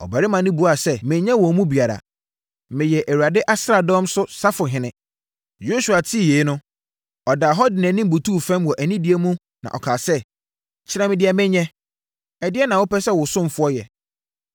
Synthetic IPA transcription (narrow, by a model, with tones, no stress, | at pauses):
ɔ̰˨ba˨ɾɪ˦mã˨nɪ̃˦bu˨˦a˨sɛ˦mɪ̃˨ɲɛ̃˦wɔ˨mũ˦bi˨a˨ɾa̰˨ | mɪ̃˨jɛ˨ʔæ˨wu˨a˨dɪ˦ʔa˦sɾa˨dɔ̃˦msʊ˦sa˦fʊ˨ɦɪ̃˨nɪ̃˦ | jo˦su˨a˨tʰi˦˨jeː˨˦nʊ̃˦ | ɔ˨daː˨ɦɔ˦dɪ˨nɛ̃˨nɪ̃˦m̩˨bu˨tuː˦˨fɛ̃˦mwɔ˨ʔæ˨nĩ˦di˨˦ɛ˦mũ˦ | nã̰˨ʔɔ˨kʰaː˨sɛ˦ | t͡ɕʰɪ˦ɾã˦mɪ̃˨dɪ˦ɛ˨mɪ̃˦ɲɛ̃˦ | ɛ˨dɪ˦ɛ˦nã˨wʊ˦pɛ˦sɛ˦wʊ˨sʊ̃˦m˨fʊ˦ɔ˦jɛ̰˨